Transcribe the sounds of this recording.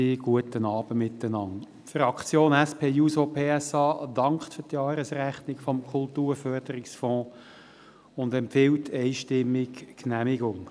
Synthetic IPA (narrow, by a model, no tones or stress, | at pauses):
iɡ̥uətənɑːb̥əmɪt̪ːənɑn | tfrɑkʰt͡sjoːnæspʰeːjusopʰeːɛsɑːd̥ɑŋkχtfʏʁtjɑːɾəsræχnɪkfɔmkʰʊltuːɾfœrd̥əɾɪksfɔ̃ː | ʊndɛmpfɪwtʰːɛɪʃtɪmːɪkknæmɪɡʊŋ